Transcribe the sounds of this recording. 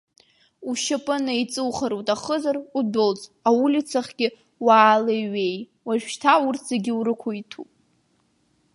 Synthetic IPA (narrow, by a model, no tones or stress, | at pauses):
uʃapʼɨnait͡sʼɨwχaɾotʼaχəzarudolt͡sʼaulʲit͡sʰaχɡ̥ʲɪ | waːleɥej | waʒᶣʃtʰaurtʰzaɡʲɪuɾɨkʷʰoitʰupʼ